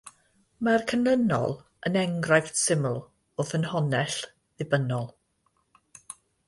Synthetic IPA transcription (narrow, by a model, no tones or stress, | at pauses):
markʰənənɔ̰lˠ | ənɛŋɡrajθsɪməlˠ | oðənhɔnɛɬ | ðɪbənɔlˠ